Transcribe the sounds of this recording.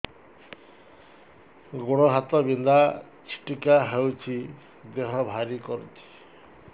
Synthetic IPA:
ɡoɽɔɦat̪ɔbind̪a | t͡ʃʰi̥ʈikaɦewt͡ʃʰi | d̪eɦɔbʱaɾikɔɾṵt͡ʃʰi̥

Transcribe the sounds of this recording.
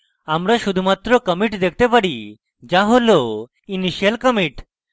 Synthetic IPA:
amɾaʃud̪ʱumat̪ɾɔkəmiʈd̪ek̚ʰt̪epaɽi | d͡ʒaɦolo | iniʃijəlkəmiʈ

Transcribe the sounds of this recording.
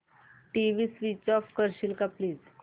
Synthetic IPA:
ʈiʋiːsʋit͡ɕɔfkəɾɕilkapliːd͡z

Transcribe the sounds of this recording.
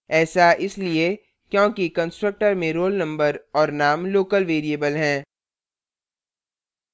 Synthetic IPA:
ɛːsaʔɪslie | kjõːkikə̃nsʈɾək̚ʈəɾmẽɾoːlnɐ̃mbəɾɔːɾnaːmloːkəlʋeːɾieːbəlɦɛ̃ː

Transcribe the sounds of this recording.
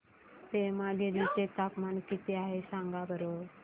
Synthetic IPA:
t̪emalidit͡ɕet̪apmankit̪iaɦesãŋɡabəɾo

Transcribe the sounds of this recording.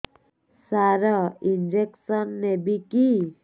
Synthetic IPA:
saɾaind͡ʒeksɔnːebiki

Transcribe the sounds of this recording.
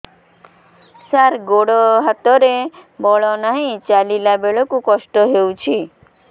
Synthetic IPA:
saɾɡoɽɔɦat̪ɔɾebɔɭɔnaɦĩt͡ʃalilabeɭɔkũkɔsʈɔɦeũt͡ʃʰi

